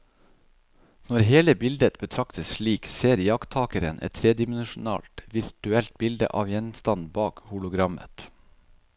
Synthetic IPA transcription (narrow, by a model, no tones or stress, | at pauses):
nɔɾɦeːləbɪld̪ət̪̚bət̪ʰɾɑkt̪əsʃɭiːkseːɾjɑkt̪ʰɑːkəɾə̰nʔɛ̰t̪ʰːɾeːd̪ɪmən̩ʃʊnɑ̰ːlt̪ʋɪɾʈ̪ʉɛlt̪̚bɪld̪ə̰ʔɑːʋjɛnst̪ɑnbɑːkhʊlʊɡɾɑmə̰t̪